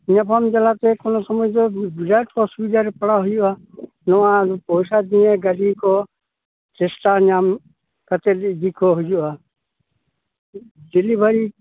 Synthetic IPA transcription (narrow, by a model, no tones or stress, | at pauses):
ɲapʰamd͡ʒalat̪ɛkɔnɔsɔmɔjd̪ɔbizajʈkɔsubid͡ʒaɾɛpəɽaɦujuʔa | nɔwapɔjsad̪iɛɡəɾikɔ | t͡ʃɛsʈaɲam | kat̪ɛldikʰɔɦujuʔa | d͡ʒilibʱaɾi